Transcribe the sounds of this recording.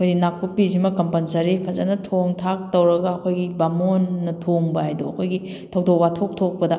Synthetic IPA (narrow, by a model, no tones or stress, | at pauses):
kʰojɡinakːupːizimɐkɐmpɐnsɐɾipʰɐzɐnɐtʰoŋtʰak̚tɐwɾɐɡɐːkʰojɡibamonːɐtʰoŋbɐajdoɐkʰojɡi | tʰɐwdok̚watʰok̚tʰok̚pɐdɐ